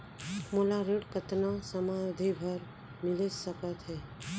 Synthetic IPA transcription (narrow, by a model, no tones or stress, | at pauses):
molaɾeʈkət̪nasəmad̪ʱibʱəɾ | mɪləsəkət̪ɦɛː